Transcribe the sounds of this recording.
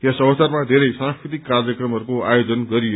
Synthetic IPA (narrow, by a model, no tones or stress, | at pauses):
esʌbʌsarmad̪ʱeɾʌjsãŋskɾit̪ikːarjʌkrʌmɦʌɾukoajod͡zʌnɡʌɾi